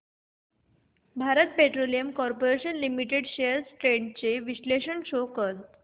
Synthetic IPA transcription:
bʱaɾət̪̚peʈɾolijəmkɔɾpoɾeɕənlimiʈeɽɕejəɾsʈɾeɳɖ̚t͡seʋiɕleɕənɕokəɾt̪

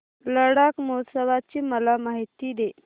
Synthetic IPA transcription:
ləɽakmosəʋat͡ɕiːməlamaɦit̪iːd̪e

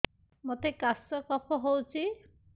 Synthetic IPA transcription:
mɔt̪ekasɔkɔpʰɔɦowt͡sʰi

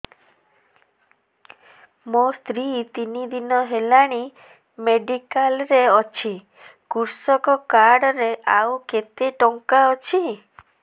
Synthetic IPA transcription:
most̪ɾit̪inid̪inɔɦelaɽ̃i | meɖikalɾeɔt͡ʃʰi | kuɾsɔkɔkaɾɽɔɾeʔawket̪eʈɔŋkaɔt͡ʃʰi

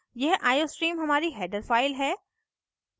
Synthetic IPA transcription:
jɛɦʔaːjoːsʈɾiːmɦɐmaːɾiɦɛːɖəɾfaːɪlɦɛː

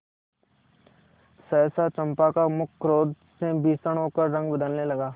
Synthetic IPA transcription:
sɛːsat͡ʃɐ̃mpakamʊkʰːɾoːd̪ | sebiːsəɽ̃ɦoːkəɾɾɐ̃ŋɡbəd̪əlnelɐɡaː

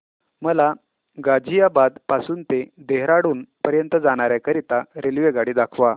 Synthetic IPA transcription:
məla | ɡad͡ʑijabad̪pasuːnt̪ed̪eɦɾaɽuːnpəɾjənt̪əd͡zaɽ̃aɾjakəɾit̪aɾelʋeɡaɽiːd̪akʰʋa

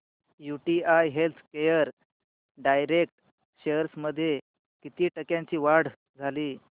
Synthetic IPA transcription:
juʈiajɦelt̪ʰkejəɾ | ɖajɾek̚ʈ | ɕeəɾsməd̪ʱːje | kit̪iːʈəkjãɲt͡ɕiːʋaɽ̤ | d͡zʱaliː

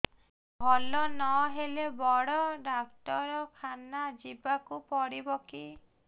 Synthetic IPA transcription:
bʱɔlɔnɔɦelebɔɽɔɖakʈɔɾɔkʰanad͡ʒibakupɔɽibɔki

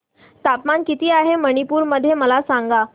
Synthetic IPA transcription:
t̪apmankit̪iːaɦeməɽ̃ipuːɾməd̪ʱjeməlasaŋɡa

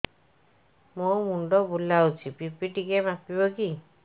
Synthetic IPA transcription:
momuɳɖɔbulawt͡ʃʰipipiʈikebapibɔki

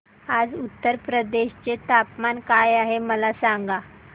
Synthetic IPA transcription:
ad͡zut̪ːəɾpɾəd̪eɕt͡ɕet̪apmankajaɦeməlasaŋɡa

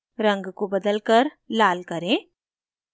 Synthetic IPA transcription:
ɾə̃ŋɡkobɐd̪əlkəɾ | laːlkɐɾẽː

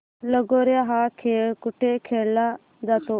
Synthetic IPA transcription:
ləɡoːɾɪjaɦaːkʰeːlkʊʈʰːekʰeːlːa | d̪aːt̪oː

